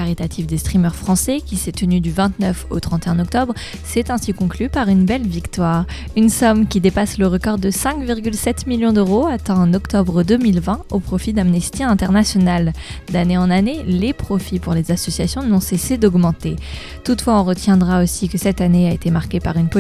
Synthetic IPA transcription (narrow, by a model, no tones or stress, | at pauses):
aʁit̪at̪ʰifd̪est̪χimœʁfχɑ̃sɛkʲisɛt̪ənyd̪yvɛ̃t̪nœfo̰t̪χɑ̃t̪eɛ̃nɔk̚t̪ɔbʁ | sɛt̪ɛ̃sikɔ̃klypaʁynbɛlvikt̪waːʁ | ynsɔmkʲid̪epasləʁəkɔʁd̪əsɛ̃kviʁɡʲylsɛt̪miljɔ̃d̪øʁoat̪ɛ̃ɑ̃nɔkt̪ɔbʁəd̪əmilvɛ̃opχɔfid̪amnɛst̪iɛ̃t̪ɛʁnasjɔnald̪aneɑ̃nanelepχɔfipuʁlezasɔsjasjɔ̃nɔ̃sesed̪ɔɡmɑ̃t̪e | t̪ut̪fwaɔ̃ʁət̪jɛ̃d̪ʁaosikəsɛt̪aneaet̪emaʁkʲepaʁynpɔ